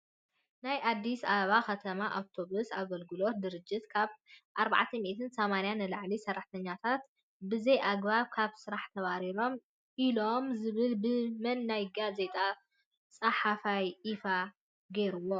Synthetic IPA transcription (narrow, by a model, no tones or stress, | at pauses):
najʔad̪ːisaβakɐt̪ʰɐmaʔawt̪ʰo̞βusaɡɐlɡɨlo̞t̪̚d̪ɨɾɨd͡ʒːɪt̪kʰaβʔaɾba̰ʕt̪ʰɐmiʔt̪ʰɨnsomanijanɨlaʕlisɐrːaħt̪ʰɐɲːat̪ʰat̪ | bɨzejʔaɡbaβkʰaβsɨɾaħt̪ʰɐβaɾilo̞m | ʔilo̞mzɨβɨlbɨmɐnːajɡaze̞t̪ʼa | t͡sʼɐħafajʔifa | ɡeɾuwo